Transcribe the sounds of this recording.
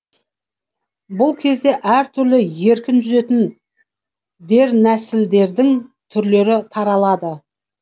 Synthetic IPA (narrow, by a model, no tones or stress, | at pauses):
bʊlˠkʲʰe̞zd̪e̞ʔæɾt̪ʰʏɾlɪje̞ɾkʲɪnʒʏze̞t̪ɪn | d̪e̞ɾnæsɪld̪e̞ɾd̪ɪŋt̪ʰʏɾle̞ɾɪt̪ʰɑɾɑlˠɑd̪ə